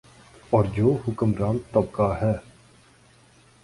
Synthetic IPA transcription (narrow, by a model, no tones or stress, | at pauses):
ɔːɾd͡ʒoːɦʊkəmɾaːmt̪əbkaɦɛː